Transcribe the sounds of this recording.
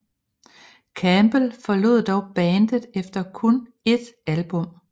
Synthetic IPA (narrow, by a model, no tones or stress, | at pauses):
kʰæmb̥əlfɒ̽lo̝̰ð̰ˠd̥ɒʊb̥æːnd̥əð̩ˠefd̥ɐkʰɔn | e̝d̥ælb̥ɔ̽m̰